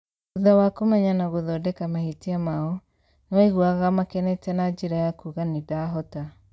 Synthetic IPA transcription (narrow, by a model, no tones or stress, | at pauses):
uðawakomɛɲanaɣoðɔdɛkamahitiamaɔ | newaiɣwaɣamakɛnɛtɛnad͡ʒeɾajakuɣanidaɦɔta